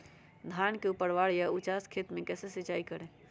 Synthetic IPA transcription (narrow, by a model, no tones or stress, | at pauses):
d̪ʱankeupəɾʋaɽjaut͡ʃaskʰet̪mekɛsesit͡ʃaikəɾẽ